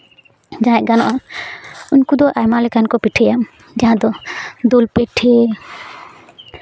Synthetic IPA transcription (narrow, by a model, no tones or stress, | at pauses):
d͡ʒaɛʔɡanɔ̰ʔa | uɲkud̪ɔʔajmalɛkankɔpiʈʰɛjam | d͡ʒaɦãd̪ɔd̪olpɛʈʰe